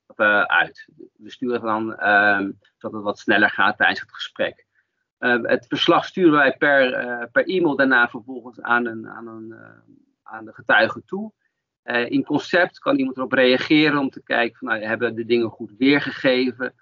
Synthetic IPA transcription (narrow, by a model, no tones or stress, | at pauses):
əʔœ̰ɥtʋəstyːrəan | dɑtətʋɑtsnɛləɹχa̰ːtːɛjdənsətχə̥sprɛ̰k | ə̰tfəɹslɑχstyːɾəʋɛjpɛɹpɛɹʔimɪlˠdaɹnaːfəɹvɔlˠχənsa̰ːnəna̰ːnən | aːndəχətœɥχətu | əʔɪnkɔnsɛp̚tkɑnimɑntərɔprejɑχɪːɾənɔmtəkɛ̰jkəfɑnːawaɦɛbəʋədədɪŋəχutʋɪːɹχəχejvə